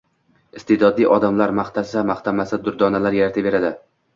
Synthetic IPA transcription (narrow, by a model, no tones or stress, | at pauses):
ɪst̪ʰed̪ɒd̪ijʔɒd̪amlaɾmaχt̪ʰasamaχt̪ʰamasɪd̪ʊɾd̪ɒnalaɾjaɾt̪ʰɪbe̞ɾad̪ɪ